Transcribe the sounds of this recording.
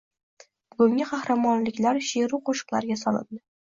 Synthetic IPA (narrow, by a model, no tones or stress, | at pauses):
b̥ʊɡʊŋɪqʰɑhɾamɒnlɪkʲlaɾʃeɾuqʰoʃɨ̥qlˠa̰ɾɡʲasɒlɪ̰ld̪ɪ